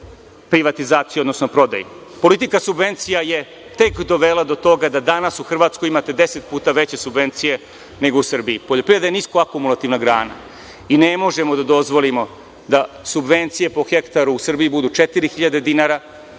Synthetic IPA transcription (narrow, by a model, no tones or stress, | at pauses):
pɾiʋat̪izaːt̪sijuo̞d̪no̞sno̞pɾo̞d̪a̰jepo̞lit̪ikasubʋe̞nt̪sijaje̞ | t̪ekd̪o̞ʋelˠad̪o̞t̪o̞ɡad̪ad̪anasuxr̩ʋaːt̪skoimat̪ed̪e̞set̪̚puːt̪aʋe̞t͡ɕe̞subʋe̞nt̪sije̞ | ne̞ɡo̞usr̩bijipoʎo̞pɾiʋe̞d̪ajniskoakumulˠat̪iʋnaɡɾaːna̰ | inemo̞ʒe̞mo̞d̪ad̪o̞zʋo̞limo̞ | d̪a | subʋe̞nt̪sije̞po̞xe̞kt̪aɾuːsr̩bijibud̪uːt͡ʃet̪iɾixiʎad̪e̞d̪inaɾa